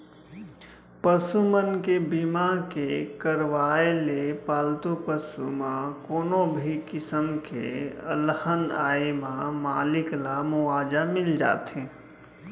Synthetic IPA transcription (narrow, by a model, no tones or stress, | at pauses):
pəsumənkebimakekəɾʋaːelepaːlt̪upəsumãkoːnõbʱikɪsəmkḛə̰ləhənaːemãmaːlɪklamʊaːd͡ʒamɪld͡ʒa̰ːt̪ɦẽ